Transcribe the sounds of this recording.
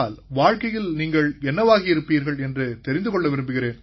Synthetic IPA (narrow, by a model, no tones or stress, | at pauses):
aːlʋaːɻkɐjɪlniːŋɡɐɭɛnːɐʋaːɣɐɪɾɯpːiːɾɣɐɭɛndrɯt̪ɛɾɪnd̪ɯkɔɭːɐʋɪɾɯmbɯɣɪɾeːn